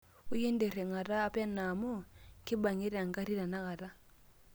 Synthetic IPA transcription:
u˦jɛ˦ndɛ˨ɾɛ˨ŋa˨ɾaː˦pja˦na˨mɔ˦ŋki˦ba˨ŋi˦ɾa˨ŋɡa˦ɾi˦ɾa˨na˦ɣa˨ɾa˦

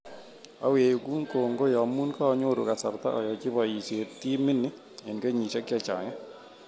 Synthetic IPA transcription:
a˦we˨jo˨ku˦ŋko˨ŋɡo˦jɔ˨mu˦nka˦ɔ˦ɲo˦ɾo̰˨ka˨sa˨ɾt̪a̰˦ʔɔ˨jɔ˨t͡ʃɪ˦bɔ˨ji˨se˨t̪i˦mɪ˦nɪ˦ | e˨nke˦ɲi˨t͡ʃa˦ka˦˨t͡ʃa̰˨ŋɛ˦

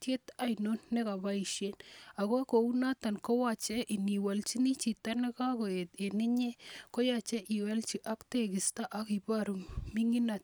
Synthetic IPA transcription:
t͡ʃe˦t̪a˦jno˦nːe˦ka˨ba˦i˨ʃe˦na˨ko˦ko˨u˦na˦t̪a˨nko˦wa˦t͡ʃɛ˦ʔi˨ni˨wa˨lt͡ʃi˦ni˦t͡ʃi˨t̪a˦ne˦ka˦ko˨e˨t̪e˨ni˦ɲe˦ko˦jat͡ʃɛ˦ʔi˨wɛ˦lt͡ʃi˨ʔa˦kt̪e˦˨ɡɪ˨sta˦ʔa˨˦ki˨ba˦ɾu˨mi˦ŋi˦na˨t̪̚

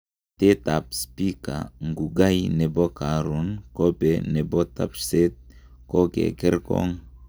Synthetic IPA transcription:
te˦ta˨pspi˦ka̰˨ŋɡu˨ɡa˦jne˨bo˦ka˨ɾu˨˦nko˦bɛ˨ne˨bo˦ta˦pse˦t̚ | ko˦kḛ˨kɛ˦ɾkɔ̰˦ŋ

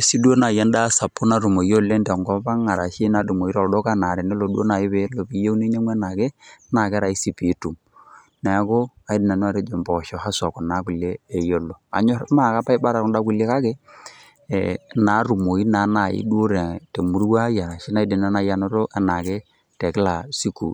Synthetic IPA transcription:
e˦si˦du˦o˦na˨ja˦n˦da˦sa˨pːu˦na˨ɾu˨mo˨jo˦˨lːe˦ndɛ˨ŋɡɔ˦ba˦ŋa˨ɾa̰˨ʃi˦na˨˦du˨mo˨i˦ɾɔ˨dɔ˦ka˦na˨ɾɛ˨nɛ˦lo˨du˦o̰˦na˨ji˦βe˨˦lo˨bi˦je˦u˦ne˦ɲe˦mwɛ˦na˨ke˦na˨kɛ˦ɾa˨i˦si˨pi˨˦tu˨m | na˨˦ko˦a˨i˦di˨na˨n˦a˨ɾe˦d͡ʒo˨mbɔ˨ʃɔ˨ha˦sɔ˨kɔ˨na˨˦ku˨leː˦˨jo˨lːo˨a̰˨ɲɔ˦ɾma˦˨ka˦pa˦i˦ba˦ɾa˨kʊ˦nda˦ku˨le˦ka˦ke˦˨ | na˨˦ɾu˨mo˨i˦na˨˦na˨ḭ˦du˦o˦ɾɛ˨te˨mu˨˦ɾu˦wa˦ja˨ɾa˨ʃi˦na˨i˦di˨na˦na˨ja˦no˦ɾo˦ʔɛ˨na˨ke˦ | tɛ˨kɪ˦la˨si˦kṵ˨

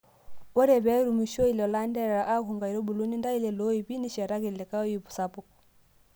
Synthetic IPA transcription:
ɔ˦ɾɛ˨βɛ˦ɾu˨mu˨ʃo˦i˨lɔ˨la˦ndɛ˦ɾɾa˨ʔa˦ku˨ŋɡa˨i˨ɾɔ˦bu˨lu˦ni˦nda˦i˦lɛ˨lo˦i˨βi˦ni˦ʃɛ˨ɾa˦ɣe˨lɛ˨ka˦ɔ˦i˦βu˨sa˦pu˨k

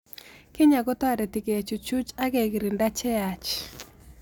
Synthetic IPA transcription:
kɪ˦ɲa˨ɡɔ˦ta˨ɾɛ˨tɪ˨ke˨a˨t͡ʃu˨t͡ʃu˦t͡ʃa˦ɡe˨ɡɪ˨ɾi˨nda˦t͡ʃɛ˦a˨t͡ʃ

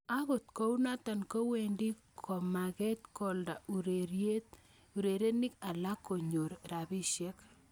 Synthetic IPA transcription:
a˦ɣʊ˨t̪ko˦u˦na˦ta˨nko˦we˨ndi˦ | kʰo˨ma˨ɣɛ˦t̪kɔ˨lda˨u˨ɾeɾje˦t̪ | u˨ɾe˨ɾe˦ni˦ka˨la˦ko˨ɲo˨ɾɾa˨bi˦ʃjɛ˦k

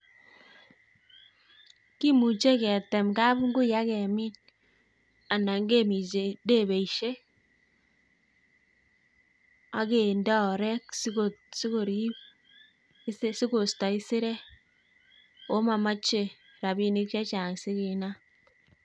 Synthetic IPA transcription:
ki˦mu˨t͡ʃe˦kɛ˨tɛ˨mka˦bu˦ŋɡu˦ja˦kɛ˨mi˦n | a˨na˨ŋɡe˦mi˨t͡ʃe˨de˦˨βe˨i˨ʃe˦ | a˦ke˨nda˦ɔ˨ɾɛ˦ksosi˦ko˨ɾi˦b | ssi˦ko˨stɔ˨i˦si˦ɾɛ˦ | o˦ma˨ma˦t͡ʃe˨ | ɾa˨bi˦ni˦k̚t͡ʃa˦t͡ʃa˨ŋsi˦ki˨na˦

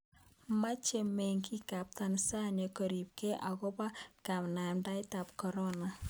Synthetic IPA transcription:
ma˦t͡ʃe˨mɛ˨ŋki˦ka˨p̚ta˨nsa˦ɲɔ˨kɔ˨ɾi˨p̚ke˦ʔa˨ɣɔ˦pa˦ka˨mna˨mda˦ɪ˦ta˨p̚kɔ˨ɾɔ˦na˨

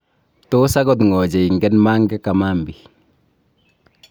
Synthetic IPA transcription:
tosaɡɔt̬ŋɔd͡ʒɛ˨i˨ŋɡɛ˦nmaː˦ŋɡɛ˦ka˨mambi

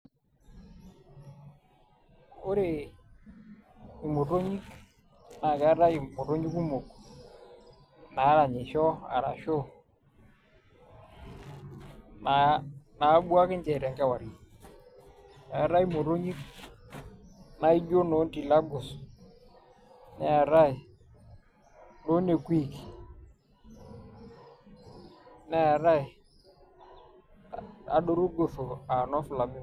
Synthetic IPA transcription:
o˦ɾe˨ | i˨mo˨to˦ɲi˦k | na˨ka˨˦ɾa˦i˨mo˨to˦ɲi˦ku˦mo˨k | na˨˦ɾa˨ɲɪ˨ʃɔ˦a̰˨ɾa̰˨ʃo˦ | na˨na˨˦bu˦a˦kɪ˦ɲd͡ʒɛ˨ɾɛ˨ŋkɛ˦wa˨ɾi˨ | ɛ˨ɾa˦jmo˨ɾo˦ɲi˦k | na˦i˦d͡ʒo˦no˨˦nti˨la˦ɡʊ˨s | nɛ˨ɾa˦ɪ˨ | no˦ne˨kʷwi˦˨k | nɛ˦˨ɾa˦j | a̰˨ɗo˦ɾu˦ɡo˨fo˨a˨nɔ˦fʊ˨la˨mɪ˦

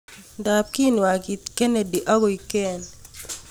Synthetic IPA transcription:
da˨p̚ki˦n˨wa˨ki˨t̪ke˦ne˨di˨ʔa˦ɡo˨i˨ke˦˨n

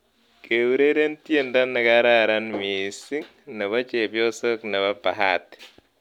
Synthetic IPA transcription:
ke˨wu˦ɾe˦ɾe˦ntje˦nda˦nːɛ˨ka˦ɾa˦ɾa˦nmi˨si˦ŋ | nɛ˨ba˦t͡ʃe˨bjo˦so˦knɛ˨ba˦pa˨ɦa˦t

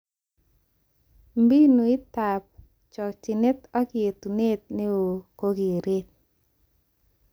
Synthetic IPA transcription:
mbi˦no˨ɪ˦t̪a˨p̚ | t͡ʃɔ˨t͡ʃɪ˨ne˦t̪ɔ˦kɪ˨e˨t̪u˨ne˦t̪̚ne˦o˨ko˦ɡi˨ɾe˦t̪̚

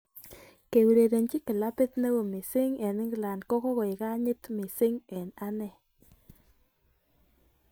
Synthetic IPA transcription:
ke˨wi˨ɾe˨ɾe˨nt͡ʃɪ˦kɪ˨la˦pɪ˦t̪nɛ˦wo˨mɪ˨sɪ˦ŋe˨nɪ˦ŋɡla˨ndkɔ˦kɔ˦ɣɔ˨ɪ˨ka˦ɲɪ˦t̪mɪ˨sɪ˦ŋɛ˨na˦nɛ˦˨

